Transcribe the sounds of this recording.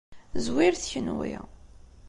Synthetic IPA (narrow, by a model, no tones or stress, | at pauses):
zwiɾθçənwḭ